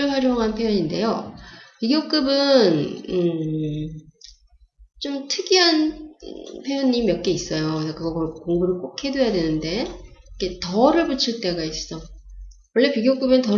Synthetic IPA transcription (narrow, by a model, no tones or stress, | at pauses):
ɭɸwaɾjoŋɦanpʰejʌɲinde̞jopiɡjok͈ɯbɯnɯ | t͡ɕomtʰɯɡiɦan | pʰjejʌɲːimjʌk͈e̞is͈ʌjoʌkɯɡʌkʌkoŋbuɾɯɭk͈okʰe̞dojadwe̞nɯnde̞ikʰe̞tʌɾɯɭput͡ɕʰɯɭt͈e̞ɡaiss͈ʌ | wʌɭːe̞piɡjok͈ɯbɯntʌ